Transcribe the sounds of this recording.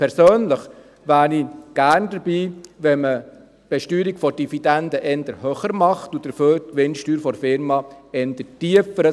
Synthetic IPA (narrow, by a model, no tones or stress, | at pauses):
pʰɛɾsøːnləχ | ʋæːɾniɡ̥æːɾnd̥əɾbiːʋɛmə | b̥ɛʃtyːɾikfɔd̥ifid̥ɛndəʔɛndəɾhøːχəɾmɑχtud̥əɾføːɾtkʋɪnʃtyːɾfɔɾfɪɾmɑɛnd̥̪ətiəfəɾə